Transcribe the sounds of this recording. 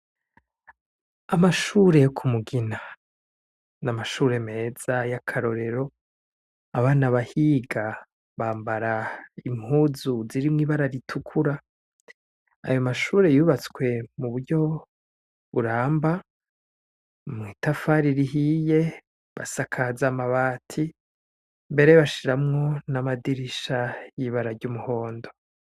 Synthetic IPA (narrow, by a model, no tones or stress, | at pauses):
amaʃuɾe̞jokʰumuɡina | namaʃuːɾe̞me̞ːz̥ajakʰaɾo̞ɾe̞ɾo̞ | aβaːnaβahiɡa | βaːmbaɾaimhuːzuziɾimŋiːβaɾaɾitʰukʰuɾa | a̰jo̞maʃuːɾe̞juːβat͡swe̞muβuɾɟo̞ | βuɾaːmba | mŋiːtafaɾiɾiɦije̞ | βa̰sakʰazaːmaβaːtʰi | mbe̞ɾeβaʃiɾamŋo̞namadiɾiʃajiːβaɾaɾɟumuho̞ːndo̞